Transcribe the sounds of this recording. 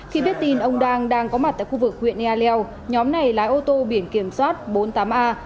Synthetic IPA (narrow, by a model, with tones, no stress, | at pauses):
xi˧ɓi˦˥ət̚t̪i˧nʔə˧wŋ͡mɗaː˧ŋɗaː˧ŋkɔ˨˦ma˨˩t̚t̪a̰ː˧˨jxu˧vɨ˨˩k̚hwḭ˧˨ənʔaː˧lɛ˧w | ɲɔ˨˦mna˨˩jlaː˨˦jʔo˧t̪o˧ɓi˧˩ənki˧˩əmswaː˦˥t̚ɓo˨˦nt̪aː˨˦mʔaː˧